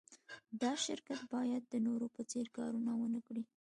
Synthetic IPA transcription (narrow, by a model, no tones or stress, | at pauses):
d̪ɑʃɪɾkat̪bɑjad̪ːənoɾopət͡seɾkɑɾunawənəkɽi